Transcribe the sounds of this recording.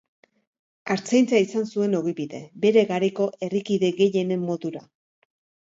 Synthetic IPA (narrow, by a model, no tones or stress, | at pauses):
aɾt͡sejnt͡saisansue̞no̞ɣiβiðe̞̰be̞ɾe̞ɣaɾeko̞ʔe̞rikiðe̞ɣe̞je̞ne̞mːo̞ðuɾa